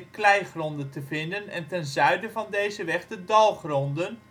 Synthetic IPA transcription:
klɛjχrɔndəntəvɪndənɛntɛnzœɥdəvɑndejzəʋɛχdədɑlˠχrɔndən

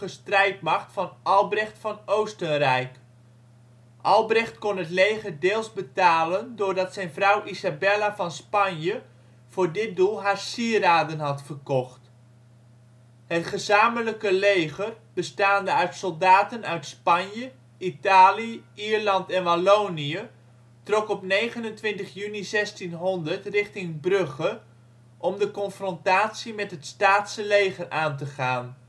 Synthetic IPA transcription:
əstrɛjt̚mɑχtfɑnʔɑlˠbrɛχtfɑnowstənrɛjk | ʔɑlˠbrɛχtkonɦətlejχədeːlˠzbətaːləndʊːrdɑtsɛjnvrʌwʔizabɛlavɑnspɑnjə | v̥ʊːrdɪt̚dulˠɦaːrsiəraːdənɦɑtfərkɔχt | hətχəzaːmələkəlejχər | b̥əstaːndəœɥtsɔlˠdaːtənœɥtspɑnjə | itaːliiɹlɑntɛnʋalowniə | trɔkɔpnejχənəntʋɪntəχjynizɛstinɦɔndəɹtrɪχtɪŋbrɵχə | ʔɔmdəkɔnfrɔntaːtsimɛtɦətstaːtsəlejχəraːnt̬əχaːn

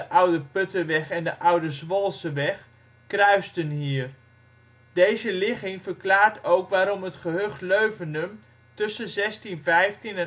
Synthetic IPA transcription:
əʔʌwdəpɵtəʋɛχɛndəʔʌwdəzʋɔlˠsəʋɛχ | krœɥstənɦiːər | dejzəlɪχɪŋvəɹklaːɹtowkʋaːɾɔmɦətχəɦøχtløɥvənəm | tɵsəzɛstinvɛjftinɛ

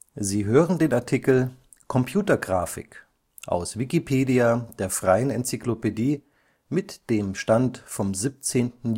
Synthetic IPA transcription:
ziːɦøːʁəndeːnaɐtʰikl̩ | kʰɔmpʰj̥uːtɐɡʁaːfɪ̰k | ʔa̰ʊsvikipʰeːdiad̥eːɐfʁ̥aɪənɛnt͡siklopediː | mɪtd̥eːmʃtantfɔmzip̚t͡seːntn̩

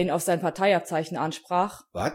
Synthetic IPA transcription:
iːnaʊfz̥aɪnpʰaɐtʰaɪap̚t͡saɪçn̩ʔanʃpʁ̥aːχva̰

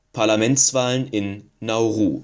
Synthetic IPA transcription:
pʰaɐlamɛnt͡sv̥aːlənɪnː | aʊʁṵː

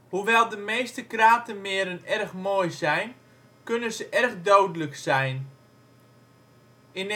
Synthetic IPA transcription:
huʋɛlˠdəmeːstəkraːtəmɪəɾənɛrxmoːjzɛjn | kønəzəʔɛrɣdowdələksɛjn | ɪn

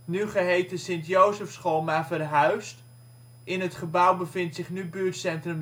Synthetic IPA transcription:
nyχəɦejtəsɪntjowzəfsχolˠmaːvərɦœɥst | ʔɪnɦətχəbʌwbəvɪntsɪχnybyːɹtsɛntrəm

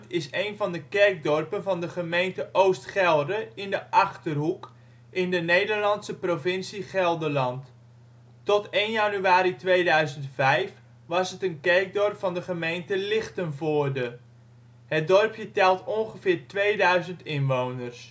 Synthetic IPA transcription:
tɪsejnvɑndəkɛrk̚dɔrpənvɑndəχəmejntəʔowstχɛlˠdəɪndəʔɑχtərɦuk | ʔɪndənejdərlɑntsəprovɪnsiχɛlˠdəlɑnt | tɔteːnjanyaːɾitʋejdœɥzəntfɛjf | ʋɑsətənkɛrk̚dɔrpfɑndəχəmejntəlɪχtənvoːrdə | hət̚dɔrpjətɛlˠtɔŋχəvɪːɹtʋejdœɥzəntɪnʋownərs

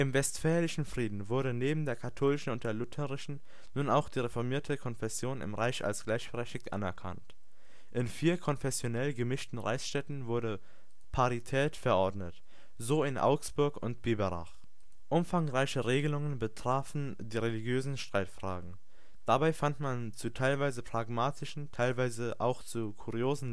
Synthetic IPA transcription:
ʔɪmvɛstfɛːlɪʃn̩fʁ̥iːdn̩vʊɐɾəneːbm̩deːɐkʰatʰoːlɪʃn̩ʊnt̚d̥eːɐlʊtʰəʁɪʃn̩ | nuːnaʊxd̥iːʁefɔɐmiːɐtʰəkʰɔnfɛsjoːnɪ̰mʁaɪça̰lsɡ̥laɪçb̥əʁɛçtɪktʔa̰nɛɐkʰa̰nt | ʔɪnfiːɐkʰɔnfɛsjonɛlɡəmɪʃtn̩ʁa̰ɪsʃtɛtn̩vʊɐɾə | pʰaʁitʰɛːtfɛɐʔɔɐdnət | zoːɪnʔa̰ʊksb̥ʊɐkʊ̰ntb̥eːbəʁa̰χ | ʔʊmfaŋʁaɪçəʁeːɡəlʊŋənbətʁ̥aːfn̩ | diːʁeliɡjøːzn̩ʃtʁ̥aɪtfʁ̥a̰ːɡŋ̩ | d̥abaɪfantmant͡sutʰaɪlvaɪzəpʁ̥aɡmaːtʰɪʃn̩tʰaɪlvaɪzəʔa̰ʊxt͡sukʰuʁioːzn̩

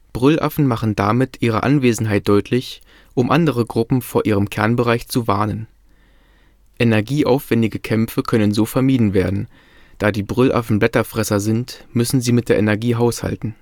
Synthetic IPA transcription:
b̥ʁʏlʔa̰fn̩maχn̩damɪtʔiːʁ̞ə̰ʔa̰nveːzn̩ɦaɪt̚d̥ɔʏtʰlɪç | ʔʊmʔa̰ndəʁ̞əɡʁʊpm̩foːɐʔiːʁəmkʰɛɐnbəʁaɪçt͡suvaɐnən | ʔenɛɐɡiːʔaʊfv̥ɛndɪɡəkʰɛmfəkʰœnənzoːfɛɐmiːdn̩veːɐdn̩ | d̥aːdiːbʁʏlʔa̰fn̩blɛtɐfʁ̥ɛsɐzɪntmʏsn̩ziːmɪt̚d̥eːɐʔenɛɐɡiːɦaʊsha̰ltn̩

